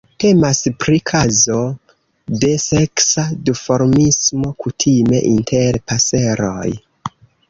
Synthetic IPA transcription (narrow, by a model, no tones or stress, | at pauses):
te̞maspɾikʰazo̞ | de̞se̞ksadufo̞ɾmismo̞kutʰime̞ʔintʰeɾpase̞ɾo̞̰j